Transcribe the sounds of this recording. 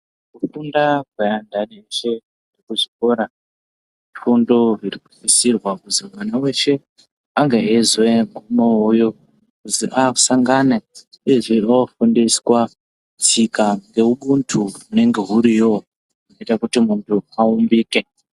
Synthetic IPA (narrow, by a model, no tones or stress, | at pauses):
kukundakwajandaneʃe̞ | irikuʐiko̞ɾa | ʐifundo̞ʐirikutisirwakuziwanawe̞ʃe̞ | aŋɡeezweŋɡumoojo | kuzḭʔau̥saŋɡane | eʐiaofundiswa | t͡sikaŋɡe̞uɓuntʰuune̞ŋɡe̞ɦuɾijo | unoitakutimuntʰuaumbiːke̞